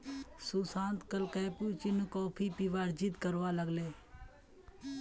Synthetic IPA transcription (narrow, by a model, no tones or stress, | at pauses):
susãːnt̪kəlkəːpuːt͡ʃinukɔːpʰipiʋaːɾd͡ʒit̪kəɾʋaːləɡleː